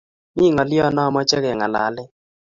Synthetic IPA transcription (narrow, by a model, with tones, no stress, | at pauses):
mi˦˨ŋɔ˨lɪ˦ɔ˦nɔ˦˨mɔ˦t͡ʃɛ˦ɣɛ˨ŋa˨la̰˨˦lɪ˦